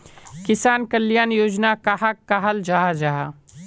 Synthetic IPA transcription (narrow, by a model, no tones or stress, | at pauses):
kɪsaːnkəlːjaːnjoːd͡ʒnakaɦakːaɦəld͡ʒaːɦad͡ʒaɦa